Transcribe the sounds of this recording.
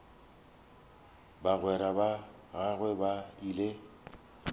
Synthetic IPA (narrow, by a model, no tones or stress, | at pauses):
baɣwɛɾaba | ɣaɣwɛbaile